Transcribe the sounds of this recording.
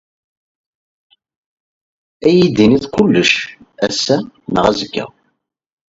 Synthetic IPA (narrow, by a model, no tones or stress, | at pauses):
æjid̪iniðkulːəʃ | æsːænəʁæzəkːæ̰